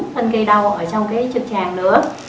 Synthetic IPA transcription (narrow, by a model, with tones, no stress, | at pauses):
fə˧nkə˧jɗa˧wʔəː˧˩t͡ɕɔ˧wŋ͡mkaː˨˦jt͡ɕɨ˨˩t̚t͡ɕaː˧˩ŋnɨ̰˧˥ə